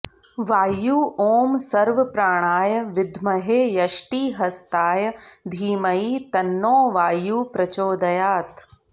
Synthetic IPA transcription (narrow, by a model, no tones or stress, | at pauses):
ʋaːjuːʔoːmsɐɾʋɐpɾaːɽ̃aːjɐʋɪd̪ʱmɐɦeːjɐʃʈiːɦɐst̪aːjɐd̪ʱiːmɐiːt̪ɐnːoːʋaːjuːpɾɐt͡ʃoːd̪ɐjaːt̪